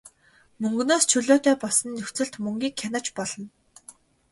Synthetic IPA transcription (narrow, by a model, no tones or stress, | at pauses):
mɵŋɡɵ̆noːst͡ɕʰɵɮoːt̪æːpɔsə̆nːɵxʲt͡sɘ̆ɮt̪mɵŋɡʲiːkʰːanăt͡ɕpɔɮ̥ɞ̆n